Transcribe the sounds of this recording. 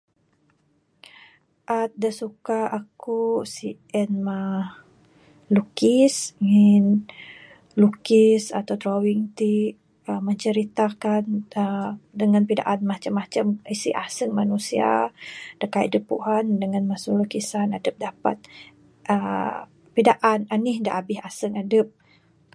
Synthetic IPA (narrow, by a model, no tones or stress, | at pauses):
ʔat̪̚dəsukaakusiʔɛnma | lukisŋin | lukisat̪awt̪ɾowiŋt̪i | əməɲt͡ʃəɾit̪akanədəŋanpida̰ʔanmat͡ʃamːat͡ʃamisiʔasəŋmanusia̰d̥əkaidəpṵɦandəŋanmasulukisanadəp̚dapa̰t̪̚ | ə | pidaʔananihda̰ʔabɪhasəŋadəp̚